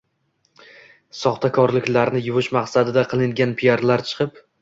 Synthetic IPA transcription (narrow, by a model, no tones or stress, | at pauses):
sɒχt̪ʰakʰɒɾlɪkʲlaɾnɪjʊvʊʃmaqsad̪ɪd̪aqʰɨlˠɪŋɡʲanpʰijaɾlaɾt͡ʃʰɨ̥qʰɨp